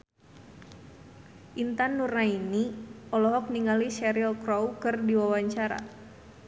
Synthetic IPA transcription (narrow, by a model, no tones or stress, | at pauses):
ʔint̪anːurnainiɔlɔɦɔk̚niŋaliʃɛɾilkɾɔwkɨrdiwawaɲt͡ʃaɾa̰